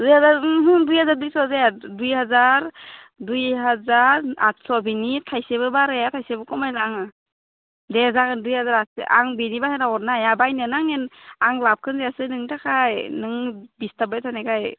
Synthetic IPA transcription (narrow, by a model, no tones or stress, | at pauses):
dujhazaɾɦdujhazaɾdujsɔzajadujhazaɾ | dujɦazaɾat̚sɔbinitʰajseβɯbaɾejatʰajsebɯkʰɔmajzaŋa | deazakɯndujhazaɾatsḛʔa̰ŋbinibahenaɔnajabajnɯnaŋenaŋlap̚kʰɯnzeasɯnɯŋtakʰajnɯŋbistabajtʰanakʰaj